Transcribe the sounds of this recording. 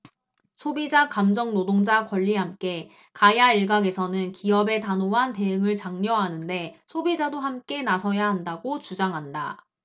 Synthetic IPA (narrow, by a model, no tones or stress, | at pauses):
sʰobid͡ʑakamd͡ʑʌŋnodoŋd͡ʑakwʌʎːiɦamk͈e̞ | kaijaiɭɡaɡe̞sʰʌnɯnkiʌbe̞tanoɦante̞ɯŋɯɭt͡ɕaŋɲʌɦanɯnde̞sʰobid͡ʑadohamk͈e̞nasʰʌjaɦandaɡot͡ɕud͡ʑaŋɦanda